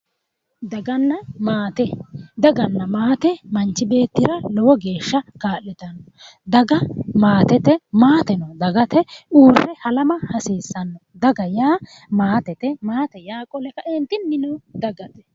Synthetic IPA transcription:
d̪ɐɡɐnːɐmaːt̪ɛd̪ɐɡɐnːɐmaːt̪ɛmɐnt͡ʃːɪbe̞ːt̪ːɪɾɐlɔwɔɡe̞ːʃːɐkaːlːɛt̪ɐnɔ | d̪ɐɡɐmaːt̪ɛt̪ɛmaːt̪ɛnɔd̪ɐɡɐt̪ɛuːrɛhɐlɐmɐhɐseːsːɐnːɔd̪ɐɡɐjaː | maːt̪ɛt̪ɛmaːt̪ɛjaːkʼɔlɛkɐʔɛnt̪ɪnːɪnʊd̪ɐɡɐt̪ɛ̥

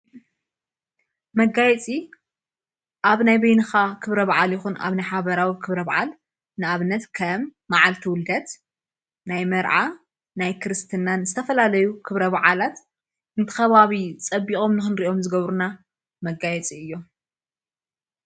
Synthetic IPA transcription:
mɐɡajɛt͡sʼi | ʔaβnajbɐjnɨxakʰɨβɾɐβaʕaljixuna̰βnajħaβɐɾawikʰɨβɾɐβaʕa̰l | nɨaβɨnɐt̪kʰɐmːaʕalt̪ʰiwʊld̪ɐt̪ | najmɐɾʕa | najkʰɨɾɨst̪ʰɨnanzɨt̪ʰɐfɐlalɐjukʰɨβɾɐβaʕalat̪ | ʔɨnt̪ʰɨ̥xɐβaβit͡sʼɐbːikʼo̞mnɨxɨnɾiʔo̞mzɨɡɐβɾuna | mɐɡajɛt͡sʼiɨjːo̞

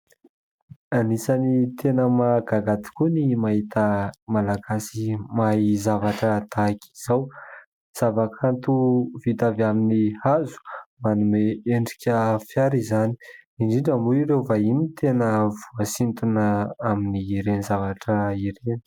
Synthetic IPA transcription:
anisanit̪ʰenəmaɡaɡat̪i̥kunimaɦit̪əmalaɡasimaizavaʈ͡ʂəd̪aki̥z̥aw | z̥avakʰant̪uvit̪avaminihazu̥manumeeɳɖ͡ʐi̥kʲəfjaɾizani̥iɳɖ͡ʐiɳɖ͡ʐəmbuiɾewvainit̪ʰenəvuəsint̪unəaminiːɾenizavaʈ͡ʂəiɾeni

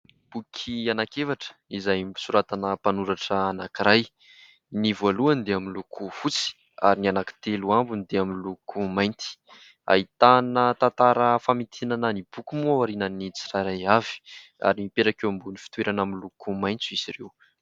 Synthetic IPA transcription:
b̥ukʲʰianakevaʈ͡ʂə̥izajmisuɾat̪anəpanuɾaʈ͡ʂəanakiɾaj | nivaluand̪eaminlukʰufut͡si̥ | aɾinianaki̥t̪eluambunid̪eaminlukʰumajnt̪i̥ | a̰it̪anət̪ant̪aɾəfamit̪ʰinanənib̥ukumuawaɾinənit͡si̥raɾajavi̥ | a̰ɾimipeɾakewambunifi̥t̪weɾʔanamilukumajnt͡suizirew

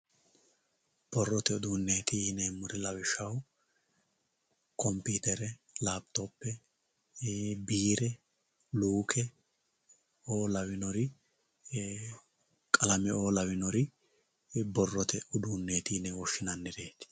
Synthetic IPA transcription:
b̥ɔrːɔt̪ɛʊd̪uːnːe̞ːt̪ɪnɛːmʊɾɪlɐwɪʃɐw | kɔmpiːt̪ɛɾɛ | laːb̚t̪opːɛ | biːɾɛ | luːkʰɛ | oːlɐwɪnɔɾɪ | kʼɐlɐmɛo̞ːlɐwɪnɔɾɪ | bɔrːɔt̪ʰɛʊd̪uːnːe̞ːt̪ɪnɛwɔʃːɪnɐnːɪɾe̞ːt̪ɪ̥

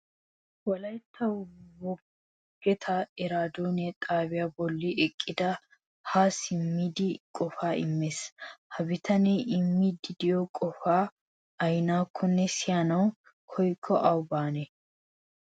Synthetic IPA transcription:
wɔlɐjt̪ʰːɐwbɔ | ɡ̥ɛt̪ʰɐɛɾaːd̪oːnɪɛt̪ʼaːbɪjabɔlːɪʔɛkʼːɪd̪ɐ | haːsɪmːid̪ɪkʼɔfaːɪ̰mːeshɐbɪt̪ʰɐneʔɪmːid̪ɪd̪ɪjɔkʼɔfaː | ɐjnaːkʰːɔnːɛsɪjanɐw | kʰɔjkʰːɔʔɐwbaːnɛ

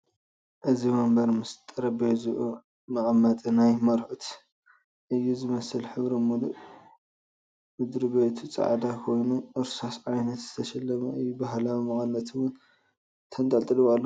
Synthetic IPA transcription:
ʔɨzimɐmbɐɾmɨst̪ʼɐɾɐbijozɨʔu | mɐʔʼmːɐt̪ʼɨnajmɐɾħut̪ | ʔɨjːuzɨmɐsɨlħɨβɾɐmuluʔ | mɨd̪ɾiβet̪ʰut͡sʼɐ̰ʕd̪akʰo̞jnuʔɨɾsasʕajnɐt̪zɨ̥t̪ʰɐʃɐlːɐmɐɨjːubaɦlawmɐʔʼɨnːɐt̪ʰwʊn | t̪ʰɐnt̪ʼɐlt̪ʼɨlɨβalːo

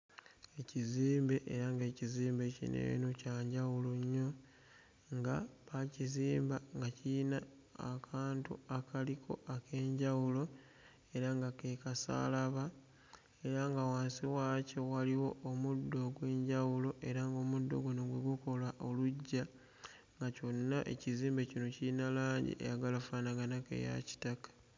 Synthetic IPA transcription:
e̞ciziːmbe̞ʔeɾaŋɡe̞ːciziːmbe̞cḭnḛnocaːɲɟawuloɲːo̞ | ŋɡaβaciziːmbaŋɡaciːnaː | kʰaːntṵakalikʰo̞̰ake̞ːɲɟawulo̞ | e̞ɾaŋɡake̞kasa̰laβa | e̞ɾaŋɡawaːnsiwacewaliwo̞ːmudːo̞ɡwe̞ːɲɟawulo̞ʔe̞ɾaŋɡo̞ːmudːo̞̰ɡonoɡweɡuko̞lwaʔoluɟːa | ŋɡaco̞nːaʔe̞̰ciziːmbe̞cino̞ciinalaːɲɟḭʔḛjaɡalafaːnaɡanake̞̰ja̰ci̥takḁ

